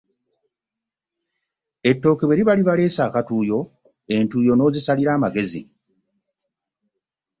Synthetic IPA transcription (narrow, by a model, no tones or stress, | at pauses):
e̞tːo̞ːkeβweɾiβaliβale̞ːsaːkatuːjo̞ | e̞ntuːjo̞no̞ːzisaliɾaːmaɡe̞zḭ